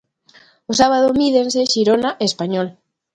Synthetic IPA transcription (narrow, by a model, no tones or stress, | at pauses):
osaβ̞að̞omiðenseʃiɾonaʔespaɲol